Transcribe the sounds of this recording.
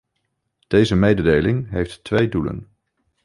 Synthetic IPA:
d̥ejzəmejdədejlɪŋɦejfttʋejdulə̰n

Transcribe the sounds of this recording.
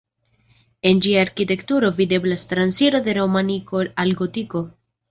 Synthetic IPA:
e̞nd͡ʒiaːɾkite̞ktuɾo̞vide̞blastɾansiɾo̞de̞ɾo̞manikoalɡo̞tiko̞

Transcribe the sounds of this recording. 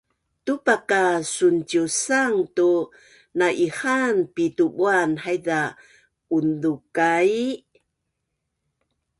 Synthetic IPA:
tupakasunt͡ʃusaŋtu | naʔihanpituɓuanhajda | undukaj

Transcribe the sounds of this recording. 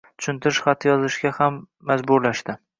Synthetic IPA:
t̪ʰʊ̥ʃʊnt̪ʰɪɾɪʃχat̪ʰːɪjɒzɪʃɡʲahamː | azbʊɾlaʃt̪ɪ

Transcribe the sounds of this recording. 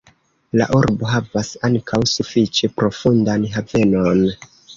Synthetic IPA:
la̰ʔuɾbo̞ɦavasaŋkʰawsufit͡ʃe̞pɾo̞fundanɦave̞no̞n

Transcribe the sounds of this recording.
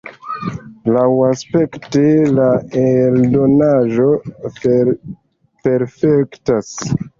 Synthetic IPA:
lawaspe̞ktelaeldo̞naʒo̞ | pe̞ɾfektas

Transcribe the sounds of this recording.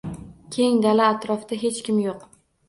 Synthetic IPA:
kʲʰe̞ŋd̪alaːt̪ɾɒfd̪̥aɦe̞t͡ʃkʲɪmjoq

